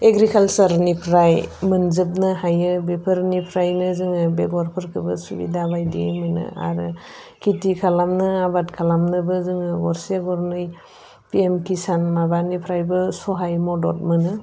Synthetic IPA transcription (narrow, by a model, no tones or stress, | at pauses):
eɡɾikʰalsaɾnipʰɾajmɯnzɯp̚nɯɦajɯbepʰɯɾnipʰɾajnɯzɯŋɯbeɡɔɾpʰɯɾkʰɯbɯ̰subḭdabajdḭmɯnɯ̰a̰ɾɯ | kʰitikʰalamnɯabatkʰalamnɯbɯzɯŋɯɡɔɾseɡɔɾnɯj | piemkʰisanmabanipʰɾajbɯsɔɦajmɔdɔt̚mɯnɯ